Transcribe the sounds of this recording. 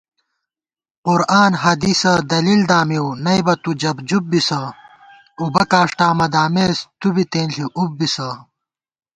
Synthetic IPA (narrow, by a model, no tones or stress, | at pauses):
qʊɾaːnɦɐd̪iːsɐd̪ɐliːld̪aːmiwnɐjbɐt̪ud͡ʑɐbd͡ʑub̚bisɐ | ubɐkaːʂʈaːmɐd̪aːmeːst̪ubit̪eːnɬiʔubːisɐ